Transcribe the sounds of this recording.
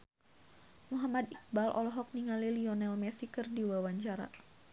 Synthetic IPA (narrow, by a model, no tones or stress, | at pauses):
muɦamad̪ik̚balʔɔ̰lɔɦɔk̚niŋaliliɔnɛlmɛsikərdiwawaɲt͡ʃaɾa̰